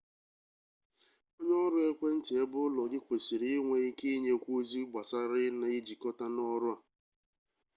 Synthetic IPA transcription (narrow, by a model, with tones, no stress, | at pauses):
o˦ɲ˦ɔ˦ɾʊ˦e˦kʷe˦n̩˦tɪ˨e˦bʊ˦lɔ˨ɡɪ˦kʷe˨si˨ɾi˦ŋʷe˨i˦ke˦ɲe˦kʷo˦zi˦ɡ͡ba˨sa˦ɾɪ˦na˨i˦d͡ʒi˨kɔ˦ta˦nɔ˦ɾʊ˦a˨